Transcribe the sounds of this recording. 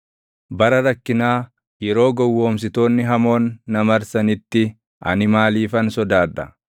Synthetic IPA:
bɐɾɐɾɐkːɪnaː | jɛɾo̞ːɡɔwːo̞ːms̬ɪt̪o̞ːnːɪɦɐmo̞ːnːɐmɐɾsɐnɪt̪ːɪ | ɐ̰nɪmaːliːfɐnsɔd̪aːd̪ːɐ

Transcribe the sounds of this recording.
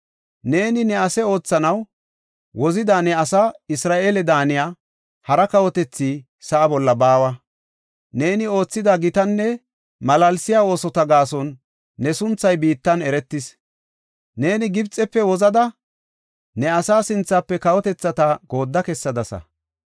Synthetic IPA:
ne̞ːnɪnɛɐsɛo̞ːt͡sːɐnɐw | wʔɔzɪd̪aːnɛɐsaːɪsɾaːʔe̞ːlɛd̪aːnɪjaː | hɐɾɐkɐwɔt̪ɛt͡sːiː | sɐʔːbɔlːɐbaːwɐ | ne̞ːnɪo̞ːt͡sːɪd̪aɡɪt̪ɐnːɛ | mɐlɐlsɪjaːo̞ːsɔt̪ɐɡaːsɔnː | ɛsʊnt͡sːɐjbiːt̪ːɐnɛɾɛt̪ːɪs | ne̞ːnɪɡɪbt͡sʼɛpːɛwɔzɐd̪ɐ | nɛɐsaːsɪnt͡sːapːɛkɐwɔt̪ɛt͡sːɐt̪aɡo̞ːd̪ːɐkɛsːɐd̪ɐsɐ̰

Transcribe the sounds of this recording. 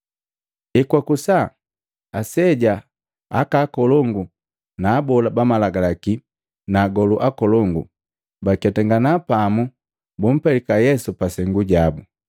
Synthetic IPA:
ɛkwakusa | asɛɟa | a̰kaːkɔlɔŋɡu | naːbɔlabamalaɡalaki | naːɡɔluʔakɔlɔŋɡu | bakatɛŋɡanapamu | bum̩pɛlikajɛsupasɛŋɡuɟabu

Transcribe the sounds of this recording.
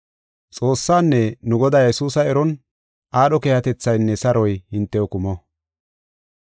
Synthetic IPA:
t͡sʼo̞ːsːaːnːɛnʊɡɔd̪aːjjɛsuːsɐɛɾɔn | ʔaːɗɔkeːhɐt̪ɛt͡sːɐjnːɛsɐɾɔjhɪnt̪ːɛɔkʊmɔ

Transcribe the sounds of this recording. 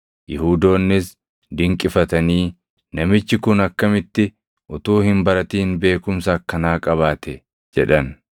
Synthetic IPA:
jɪhuːd̪o̞ːnːɪs | d̪ɪŋkʼɪfɐt̪ɐniː | nɐmɪt͡ʃːɪkʊnɐkːɐmɪt̪ːɪ | ʔʊt̪uːhɪmbɐɾɐt̪iːnbe̞ːkʊmsɐɐkːɐnaːkʼɐβaːt̪ɛ | d͡ʒɛ̰ᶑɐn

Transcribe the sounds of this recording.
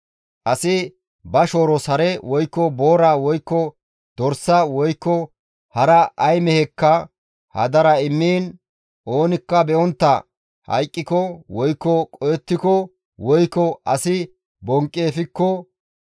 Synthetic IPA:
ʔɐsɪ | bɐʃoːɾɔsɐɾɛwɔjkːɔboːɾawɔjkːɔ | d̪̥ɔɾsɐwɔjkːɔ | hɐɾɐʔɐjmɛhɛkːɐ | hɐ̰d̪ɐɾɐɪmːiːn | ʔo̞ːnɪkːɐbɛɔnt̪ːɐ̰ | hɐ̰jkʼːɪkɔwɔjkːɔkʼɔjɛt̪ːɪkɔ | wɔjkːɔʔɐsɪ | bɔŋkʼːeːfɪkːɔ

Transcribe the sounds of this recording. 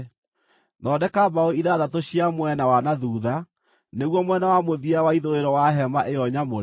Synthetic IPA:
nɔdɛkabaoiðaðatoɕiamwɛnawanaðuːða | neɣwɔmwɛnawamoðiawaiðoeɾɔwaɦɛmaʔejɔɲamo

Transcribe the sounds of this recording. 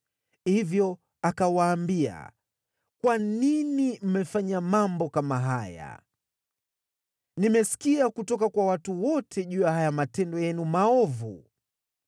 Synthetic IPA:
hivjɔ | akawaːmbia̰ | kwaninim̩mɛfaɲamambɔkamaɦaja̰ | nimɛsi̥kiakutɔkakwawatuwɔtʰɛʄujahajamatɛndɔjɛnumaɔvṵ

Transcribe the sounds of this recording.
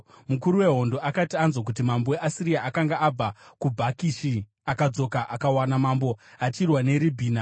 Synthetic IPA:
mukuɾuwe̞ɦo̞ndo̞ʔakatianzok̬ut̬imamboweʔasiɾijaʔakaŋɡaʔab͡vakubʱakiʃi | akad͡zo̞kaʔakawanamambo̞at͡ʃirwane̞ɾibʱiːna

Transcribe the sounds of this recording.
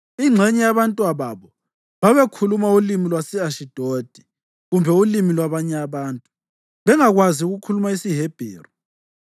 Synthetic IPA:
iŋ͡ǁʱɛɲɛjaβantʼwaβaβɔ | βaβekʰulumaulimilwasɛaʃid̥ʱod̥ʱi | ɣumbʱɛulimilwaβaɲɛaβaːntʼu | βɛŋaɣwaziuɣukʰulumaisiɦeb̥ʱeːri

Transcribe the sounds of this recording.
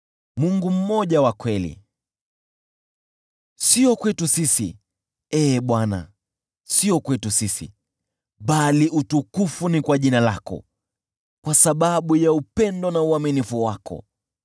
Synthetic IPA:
muŋɡum̩mɔʄawakwɛlḭ | siɔkwɛtusisḭ | ɛːɓwana̰ | siɔkwɛtusisḭ | ɓaliʔutukufunikwaʄinalakɔ̰ | kwasaɓaɓujaupɛndɔnauaminifuwakʰɔ̰

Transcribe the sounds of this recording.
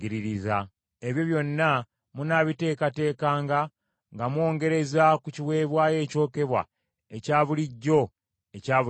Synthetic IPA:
iɾiɾiza | eβjo̞βjo̞nːa | munaβite̞ːkate̞ːkaːŋɡa | ŋɡamwo̞ːŋɡe̞ɾe̞zakuciwe̞ːβwaːje̞ːco̞ːke̞βwa̰ | ecaːβuliɟːo̞ | ecaːβu

